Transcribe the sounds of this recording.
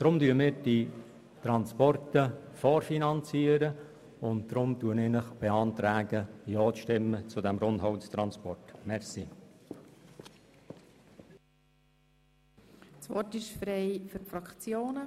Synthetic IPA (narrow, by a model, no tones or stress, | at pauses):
d̥ɾʊmdyəmɪːɾd̥i | t̪ɾɑnspɔrtəfɔːɾfinɑnt͡siəɾə | ʊnt̚d̥̪ɾʊmtuənenəχb̥eɑːnt̪ɾæːɡəjɔːt͡sʃtɪmːət͡sʊdɛmɾʊndɦɔwtst̪ɾɑnspɔrtmɛɾsi | sʋɔrtɪʃfɾeɪfyɾfɾɑkt͡sjoːnə